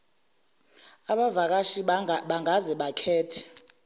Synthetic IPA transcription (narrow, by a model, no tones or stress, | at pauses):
aɓavak̬ʼaʃiɓaŋʱazɛɓakʰɛːtʰɛ̥